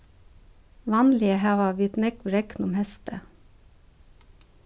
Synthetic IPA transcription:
ʋɑːnlɪəhæːʋɑʋɪt̪nɛkʋɾɛknʊmhɛst̪ə

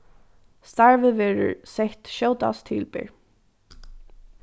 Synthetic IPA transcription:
st̪aɹvəʋɛːɹə̰ɹsɛht̪ʃowt̪a̰st̪ʰɪ̰lpɪ̰ɹ

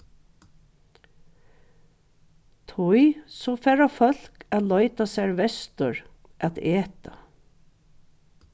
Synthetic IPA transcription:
t̪ʰʊɪsɔfæːɾafœl̥kat̪lɔʏt̪asæːɹʋɛst̪əɹ | ʔæt̪eːt̪a̰

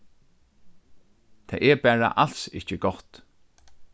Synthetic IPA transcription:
t̪ʰɛ̰ːʔɛɹbæːɹa̰ʔal̥sɪht͡ʃəɡɔht̪

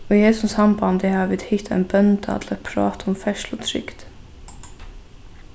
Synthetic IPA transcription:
ɔjeːsʊsɑmbɑnd̪ɛhɑːʋɪt̪hɪt̪ʰæ̰ɪnbœnd̪ɑ̰t̪ʰlɛt̪pʰɾɑ̰ːt̪ʰɔmfɛʂlɔt̪ʰɾʏ̰kd̪̥

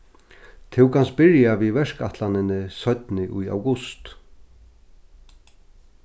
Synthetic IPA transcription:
t̪ʰɪwkʰanst̪̚bɪɾjavivɛʂkaht̪lanɪnɪsœɥt̪nɪʔuja̰wɡʊst̪

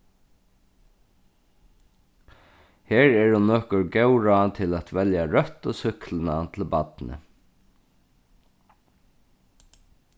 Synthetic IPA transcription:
heːɹɛɹhʊnːɔːkʊɹɡɛwɹɑnt̪ʰɪlæt̪ʋɛljaɹœt̪osʏklənant̪ʰɪlbɑt̪nə̰

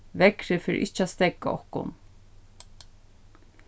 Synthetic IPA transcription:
ʋɛkɾɪfɪːɾɪ̰ʔɪht͡ʃːɪast̪ɛkːa̰ɔ̰hkʊ̰n

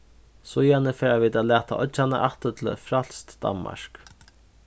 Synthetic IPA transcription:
sʊjanəfeːɾaviːd̪aːlæːt̪ʰa̰ʔɔʒanə̰ʔaht̪ət̪ʰɪl̰fɾal̥st̪d̪a̰nma̰ɹk

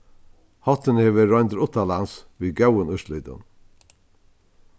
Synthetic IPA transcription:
hɔt̪ːɪnheːʋɪɾɔʏnt̪ɾʊt̪ːalansviːɡœwənʏʃlʏːt̪ə̰n

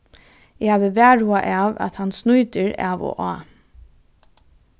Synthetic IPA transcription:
ɪhaːʋəʋæːɹuaʔɑːʋæ̰t̪hansnujt̪əɹa̰ːʋo̰ʔɑː

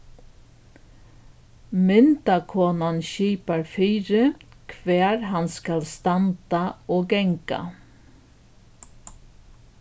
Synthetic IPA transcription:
mʏnt̪ɑkʰuːnɑnçiːpəɾfyːɾəkʰʋæːɾhɑnskɑlst̪ɑnt̪ɑoːɡɛŋkɑ̰

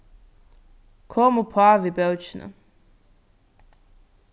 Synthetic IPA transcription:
kʰomupʰaʋibɛwt͡ʃna̰

